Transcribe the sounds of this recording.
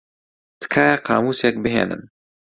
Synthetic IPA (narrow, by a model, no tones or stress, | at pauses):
t̪ɨ̥kʰaːjɛqʰɑ̰ːmuːsjɛk̚bɨɦḛːnɨ̰n